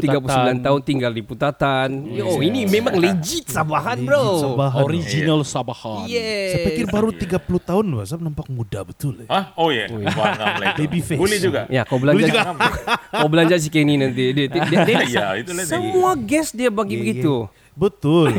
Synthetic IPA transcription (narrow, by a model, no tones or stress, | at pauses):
t̪iɡapulusbilant̪aʊnt̪iŋɡaldiput̪at̪anjaoinimemaŋled͡ʒit̪̚sabaɦanbɾosabaɦoɾid͡ʒinalsabahanjɛsapikɪrbaɾut̪iɡapulut̪aʊnbasap̚nampak̚mudabət̪ʊlaojɛjbadebifebulɛd͡ʒuɡajakabəlaɲld͡ʒaɡkabəlaɲd͡ʒas̬ikaininant̪̬idit̪iddejait̪usəmuaɡɛsdiabaɡibəɡit̪u | bət̪ʊl